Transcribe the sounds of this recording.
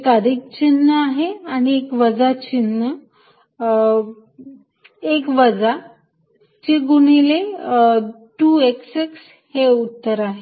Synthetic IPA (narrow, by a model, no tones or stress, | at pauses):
kaɾiːk̚t͡ɕinːəaɦeaɽ̃iekʋəd͡zat͡ɕinːə | ekʋəd͡za | t͡ɕeɡunile | ʈuekseks | heut̪ːəɾaɦe